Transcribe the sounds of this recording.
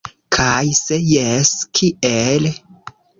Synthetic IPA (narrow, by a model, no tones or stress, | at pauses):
kʰajsejeskʰiʔel